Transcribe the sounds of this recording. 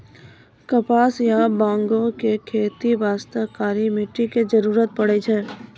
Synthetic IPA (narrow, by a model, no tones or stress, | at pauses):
kɐpaːsjabãːŋɡõkekʰeːt̪iʋaːst̪əkaːɾimɪʈːiked͡ʒɐɾuːɾət̪̚pɐɽet͡ʃʰɛː